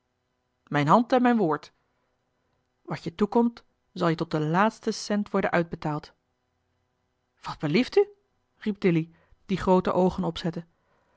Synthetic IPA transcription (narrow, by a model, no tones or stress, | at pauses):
mɛjnɦɑntɛnmɛjnʋʊːɹt | ʋɑsjətukɔmt | z̥ɑlˠjətɔt̚dəlaːtstəsɛntʋɔɹdənʔœɥd̚bətaːlˠt | ʋɑd̚bəlifty | rip̚dɪli | d̥iχrowtəʔowχənɔpsɛtən